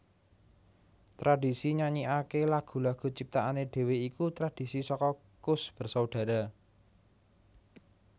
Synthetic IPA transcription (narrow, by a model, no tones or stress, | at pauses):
t̪ɾaɖ̥i̤siɲaɲiakelaɡ̥ṳlaɡ̥ṳt͡ʃip̚t̪aʔaneɖ̥e̤weikut̪ɾad̥i̤sisɔkɔ | kʊsb̥ə̤rsauɖ̥ä̤ɾa